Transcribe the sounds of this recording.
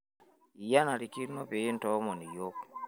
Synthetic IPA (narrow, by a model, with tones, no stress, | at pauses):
i˨ja˦na˨ɾi˨ki˦ɾnɔ˦pe˨i˦ntɔ˨˦mɔ˨ni˨jo˦k̚